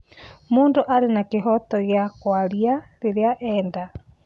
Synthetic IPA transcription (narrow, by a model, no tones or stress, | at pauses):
moːndoʔaɾenakeɦɔtɔɣjakwaɾiaɾeɾeaʔɛːnda